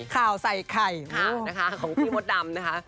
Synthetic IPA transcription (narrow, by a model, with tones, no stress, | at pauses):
kʰaː˨˩wsa˨˩jkʰa˨˩jkʰoa˨˩˧na˦˥kʰa˦˥kʰɔː˨˦ŋpʰi˧˩mo˧˦t̪̚da˧mna˦˥kʰa˦˥ʔ